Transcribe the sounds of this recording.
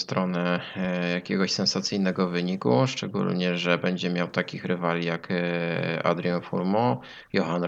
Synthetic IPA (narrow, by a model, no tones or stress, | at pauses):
st̪ɾɔnɛjakʲɛɡɔɕsɛnsat̪sɘjnɛɡɔvɘɲikṵʂt͡ʂɛɡṵlɲɛʐɛbɛɲd͡ʑɛmʲjawt̪akʲixɾɘvalʲijak | a̰d̪ɾjɔnfṵɾmɔ | jɔxan